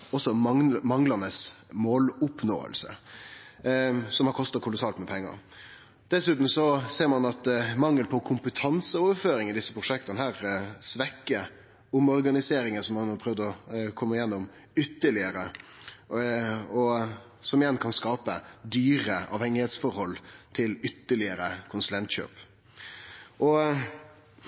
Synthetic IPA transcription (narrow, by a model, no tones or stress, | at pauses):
ɔsːɔmɑmɑŋlɑnəsmoːlʊpno̰ːə̰lsə̰ | sɔmhɑɾkɔst̪ɑt̚kʰʊlʊsɑːlt̪mɛpʰɛŋːɑ̰ | d̪̥ɛsʉːt̪n̩sɔseːɾmɑnɑt̪mɑŋːəlpʰɔkʰʊmpət̪ʰɑnsəoːʋəɾføːɾɪŋɪd̪ɪsːəpʰɾʊʂɛk̚t̪ɑnəhæːɾsʋɛkːə | ʊmɔɾɡɑnɪseːɾɪŋənsɔmːɑnhɑpʰɾœʋd̪ɔkʰɔmːəɪjɛnːʊm | ʏt̪ːəɭɪəɾə | ɔ | sɔmɪjɛnkʰɑnskɑːpəd̪yːɾəʔɑ̰ːʋhɛŋːɪheːt̪sfɔɾhɔlːt̪ʰɪlʏt̪ːəɭɪəɾəkʰʊnsʉlɛnt̪ɕø̰ːp | ʔɔ